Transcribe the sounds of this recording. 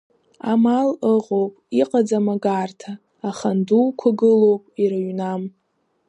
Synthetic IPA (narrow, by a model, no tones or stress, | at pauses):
amaləʁo̞wpʼiqʼad͡zamaɡartʰaː | χanduːkʷʰaɡɨlowpʼiɾaɥnam